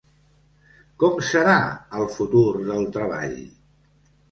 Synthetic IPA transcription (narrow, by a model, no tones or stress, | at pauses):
kɔmsəɾaəlˠfut̪uɾðəlˠt̪ɾəβ̞a̰ʎ